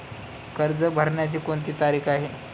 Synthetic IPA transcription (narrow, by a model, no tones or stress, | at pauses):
kəɾd͡zəbʱəɾɳjat͡ɕiːkoɳt̪iːt̪aɾiːkʰaɦe